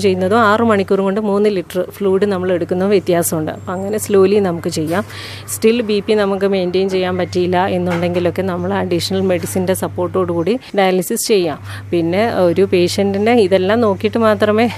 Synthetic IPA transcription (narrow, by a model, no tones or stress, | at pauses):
t͡ɕe̞jːunːɐðoːaːrɨmɐɳikʲːurumko̞ɳɖɨmuːnːɨliʈːɐrɨfluːɽɨnɐmːɐɭe̞ɽukːunːɐʋjet̪jaːsɐmuɳɖɨ̰ɐpːɐŋːɐne̞slo̞ːlinɐmukːɨt͡ɕe̞jːaːm | sʈilbipːinɐmukːɨme̞ːndejnt͡ɕe̞jːaːmpɐtːijilːɐe̞nːuɳɖe̞ŋɡilo̞kːe̞nɐmːɐɭɐɖiʂɐnɐlme̞ɽisinde̞sɐpːo̞ːrʈːo̞ːɽɨkuːɽiɖɐjɐlisisɨ̥t͡ɕe̞jːaːm | pinːe̞o̞ɾupe̞ːʂɐndinde̞iðe̞lːaːmno̞ːkːijiʈːɨmaːt̪rɐme̞ː